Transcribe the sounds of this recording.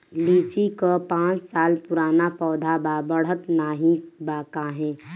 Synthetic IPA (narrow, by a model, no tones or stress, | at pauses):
liːt͡ʃikopãːt͡ʃsaːlpʊɾaːnapɔːd̪ʱababəɽ̤ət̪naːɦĩbaːkaɦɛ̃ː